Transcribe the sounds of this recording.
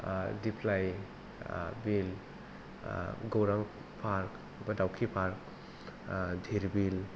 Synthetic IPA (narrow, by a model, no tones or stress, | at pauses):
dipʰlaj | bil | ɡowɾaŋ | pʰaɾk | bɐdawkʰipʰaɾk̚ | dʱiɾbil